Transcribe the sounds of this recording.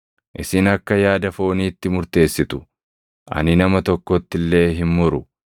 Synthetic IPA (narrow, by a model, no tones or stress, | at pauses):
ʔɪsɪnɐkːɐjaːd̪ɐfo̞ːniːt̪ːɪmʊɾt̪e̞ːsːɪt̪ʊ̥ | ʔɐ̰nɪnɐmɐt̪ɔkːɔt̪ːɪlːe̞ːɦɪmmʊɾʊ